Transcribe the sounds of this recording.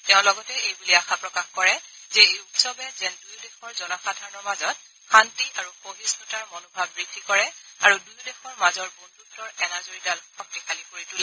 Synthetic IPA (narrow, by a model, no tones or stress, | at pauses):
tɛʊ̃lɔɡɔtɛejbuliaxapɹɔkaxkɔɹɛzɛupsɔbɛzɛndujdɛxɔɹzɔnaxadʱaɹɔnɔɹmazɔt̚ | xantiʔaɹuxoɦisɔtaɹmonobʱab̚ɹidʱːikɔɹɛaɹudujudɛxɔɹmazɔɹbondutːɔɹɛnazoɹidalxɔk̚tikʰalipoɹitulɛ